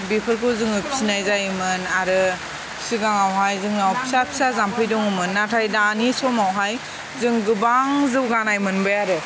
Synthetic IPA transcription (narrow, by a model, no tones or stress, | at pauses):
bipʰɯɾkʰɯzɯŋɯpʰi̥sinajzajmɯnaɾɯ | pʰi̥siɡaŋawɦajzɯŋawpʰi̥sapʰi̥sazampʰɯjdɔŋɯmɯnːatʰajdanisɔmawɦaj | zɯŋɡɯbaŋzɯwɡanajmɯnbɯjaɾɯ